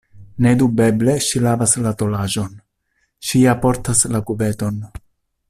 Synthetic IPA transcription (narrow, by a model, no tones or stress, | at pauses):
ne̞dube̞ble̞ʃilavaslato̞laʒo̞n | ʃiapo̞ɾtaslakube̞to̞n